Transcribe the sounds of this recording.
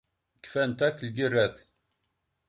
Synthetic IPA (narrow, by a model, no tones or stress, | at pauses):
kːfænt̪ækːlɡərːæθ